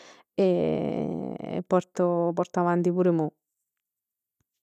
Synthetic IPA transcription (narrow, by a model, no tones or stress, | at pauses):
e | pːɔɾt̪opɔɾt̪aʋant̪ipuːɾemo